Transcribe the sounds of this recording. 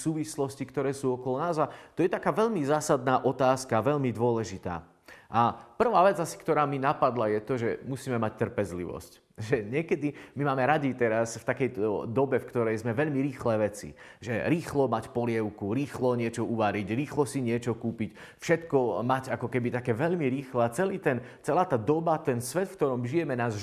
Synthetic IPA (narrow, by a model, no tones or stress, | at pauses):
suːʋislɔscikt̪ɔɾɛːsuːɔkɔlɔnaːzat̪ɔjɛt̪akaːʋɛʎmizaːsad̪naːʔɔt̪aːskaʋɛʎmid̪ʊɔlɛʒit̪a̰ː | ʔapr̩ʋaːʋɛd͡zasi̥kt̪ɔɾaːminapad̪lajɛt̪ɔʒɛmusiːmɛmac̚t̪ːr̩pɛzlḭʋɔ̰sc | ʒɛɲɪɛkɛd̪imimaːmɛɾaɟit̪ɛɾasft̪akɛj̪d̪ɔbɛfkt̪ɔɾɛjzmɛʋɛʎmiɾiːxlɛːʋɛt͡sḭʒɛɾiːxlɔmacpɔlɪɛʊkuɾiːxlɔɲɪɛt͡ʃɔuʋaɾiɟɾiːxlɔsiɲɪɛt͡ʃɔkuːpic | fʃɛt̪kɔmaɟakɔkɛbit̪akɛːʋɛʎmiɾiːxlaːt͡sɛliːt̪ɛnt͡sɛlaːt̪aːd̪ɔbat̪ɛnsʋɛt̪fk̚t̪ɔɾɔmʒijɛmɛnaːz